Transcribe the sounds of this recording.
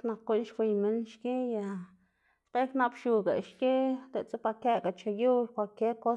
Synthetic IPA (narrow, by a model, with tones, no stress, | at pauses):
kna˨kːu˦ʔnʃxʷi˧jme˦nʃke˦ja˧˨ | spe˦kna˦bʃu˧ɡa̰˨ʃke˦d̪e˨t͡so˦pa˧ke˧ɡa˨t͡ʃa˧ju˦lkʷa˧˨ke˦ko˦